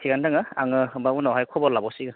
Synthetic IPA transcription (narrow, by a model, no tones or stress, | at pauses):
kʰiɡandaŋɯaŋɯbaunɔwɦajkʰɔbɔlabɔsiɡɯ